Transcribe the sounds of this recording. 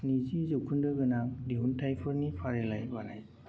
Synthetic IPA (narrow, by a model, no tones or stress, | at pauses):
nizizukʰundɯɡɯnaŋdiuntʰajpʰɯɾnipʰaɾɛlajbanaj